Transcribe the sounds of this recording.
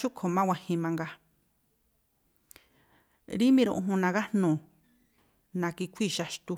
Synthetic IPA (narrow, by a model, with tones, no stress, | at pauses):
ʃu˦kʰo˨mã˦wʷa˧hĩ˧mã˧ŋɡa˧ | ɾi˦mĩ˧ɾṵ̃˧ʔũ˧ɦũ˧nã˧ɣa˦nũ˨ | nã˨˧ki˧kʷʰi˦˨ʃa˧ʃt̪u˧